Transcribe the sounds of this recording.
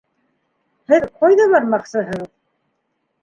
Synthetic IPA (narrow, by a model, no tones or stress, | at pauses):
hɘðqʰojðɑβɑɾmɑχsɤɦɤʁð